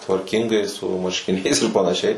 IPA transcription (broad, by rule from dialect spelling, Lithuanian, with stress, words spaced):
tʋɐrʲˈkʲɪŋɡɐɪ sʊ mɐrʲʃʲkʲɪˈnʲɛɪs ɪr pɐnɐˈʃʲɛɪ